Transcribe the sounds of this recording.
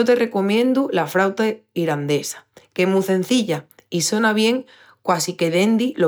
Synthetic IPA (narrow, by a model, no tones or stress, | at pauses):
ot̪e̞re̞ko̞mjẽ̞nd̪ulafɾawt̪aiɾand̪e̞sḁkemuθẽ̞n̟θiʎaiso̞naβ̞je̞ŋ | kwasike̞ðe̞nd̪ilo